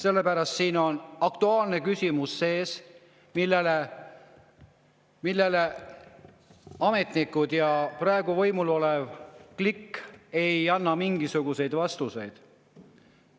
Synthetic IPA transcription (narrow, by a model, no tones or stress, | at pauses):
se̞lːe̞pæɾɑst̪siːno̞nɑkt̪uɑːlne̞kysʲimusːe̞ːs | milːele | milːele | ɑme̞t̪ˑnikːˑud̪̥jɑprɑe̞ɡ̥uvɤ̞jmulo̞levklikːe̞jɑnːɑmiŋɡisuɡ̥use̞jd̪vɑst̪use̞jd̪̥